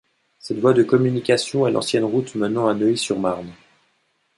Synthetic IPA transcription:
sɛt̪vwad̪əkɔmynikʲasjɔ̃ɛlʔɑ̰̃sjɛnʁut̪mənɑ̃ɛ̃nəisyʁmaʁn

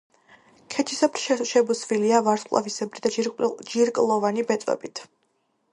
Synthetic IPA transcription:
kʰɛt͡ʃʰisapɾʃɛʃɛbusviliavaɾsqʼlˠa̰visɛbɾid̪ad͡ʒiɾkʼlˠɔvanibɛt̪sʼwɛ̰bit̪ʰ

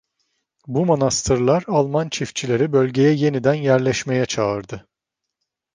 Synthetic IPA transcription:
bumonast̪ʰɯɾlˠaɾalˠmant͡ʃʰift͡ʃʰilʲe̞ɾibølʲɟe̞jɛje̞nid̪ænjæɾlʲɛʃme̞jɛt͡ʃʰaɯɾd̪ɯ

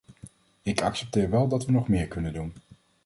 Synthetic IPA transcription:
ɪkɑksɛp̚tɪːɹʋɛlˠdɑtʋənɔχmɪːɹkɵnəndun

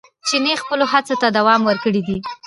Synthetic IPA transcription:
t͡ʃenexpəloɦat͡sot̪ad̪awɑmwəɾkəɽid̪i

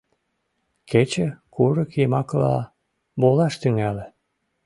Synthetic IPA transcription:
kʰet͡ɕəkuɾəkimɑklɑ̰ | bolɑʃt̪yŋælĕ

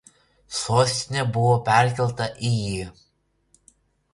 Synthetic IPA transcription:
soːsʲt̪ʲɪnʲɛbʊʋopʲɛˑɾʲkʲɛlˠt̪ɐʔɪji

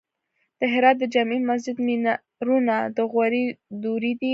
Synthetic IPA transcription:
d̪̥əɦɪɾɑt̪̚d̪əd͡ʒamimas̬d͡ʒɪd̪mina | ɾunad̪əɣwaɾid̪uɾid̪i

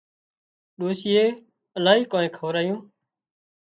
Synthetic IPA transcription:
ɗoːsiːeː | əlaːɦiːkoːnẽːkʰəʋɾaːjũː

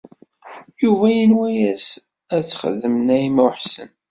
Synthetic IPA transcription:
juvæjənwæjæs | æt͡sːχə̰ðːəmənæjimæwħsə̰n

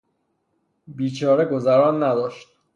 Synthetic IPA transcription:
biːt͡ʃʰɒːɾeɡo̞zæɾɒːnːæd̪ɒːʃt̪̚

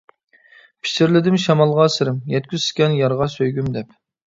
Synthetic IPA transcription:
pʰi̥ʃɪɾlɪd̪ɪmʃɑmɑlˠʁɑsɨɾɪmjɛt̪̚kʲʰyzskʲɛnjɑɾʁɑsøjɡʲymd̪ɛp

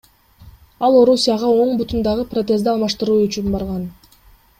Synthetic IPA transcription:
ɑlˠo̞ɾusʲijɑʁɑo̞ɴbut̪und̪ɑʁɯprot̪̬ʲe̞zd̪eɑlˠmɑʃt̪ɯɾuːyt͡ʃynbɑɾʁɑn

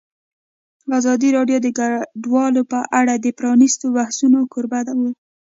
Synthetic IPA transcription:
ɑzɑd̪iɾɑɖjod̪əɡaɖwɑlopəʔaɽad̪əpɾɑnist̪obahsunokoɾbad̪awu

